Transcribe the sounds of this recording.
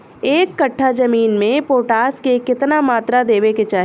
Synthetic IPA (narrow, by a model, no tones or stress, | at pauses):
eːkːɐʈʰːad͡ʒɐmiːnmẽpoːʈaːskekɪt̪namaːt̪ɾad̪eːʋeket͡ʃaːɦ